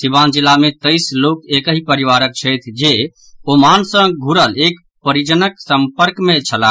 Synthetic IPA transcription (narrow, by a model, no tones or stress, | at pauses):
siband͡ʒilamet̪əɪslokekəɦipəɾiʋaɾək̚t͡ʃʰəjt̪ʰd͡ʒe | omansə̃ɡʱuɾəlek | pəɾid͡ʒənəksəmpəɾkmet͡ʃʰəla